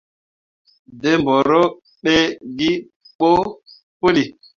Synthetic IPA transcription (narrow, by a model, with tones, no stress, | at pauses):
de˦mbɔ˨ɾo˦ | ɓe˦ɡi˦ | k͡po˦ | po˦li˨